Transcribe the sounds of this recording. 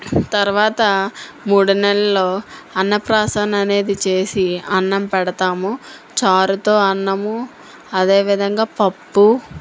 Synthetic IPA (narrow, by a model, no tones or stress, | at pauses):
t̪ɐɾuʋaːt̪ɐ | muːɽunɛlːɐlo̞ːɐnːɐpɾaːsaːnɐne̞ːd̪it͡ʃe̞ːsiɐnːɐmpɛɽɐt̪aːmu | t͡ʃaːɾut̪o̞ːɐnːɐmu | ɐd̪e̞ːʋid̪ʱɐŋɡaːpɐpːu